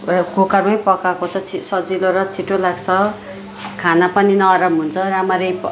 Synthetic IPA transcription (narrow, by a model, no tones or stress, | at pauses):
rkokʌrmʌjpʌkakot͡sʰʌt͡sʰisʌd͡ziloɾʌt͡sʰiʈːolaɡt͡sʰʌ | kʰanapʌninʌːɾʌmɦunt͡sʰʌɾamʌɾʌjp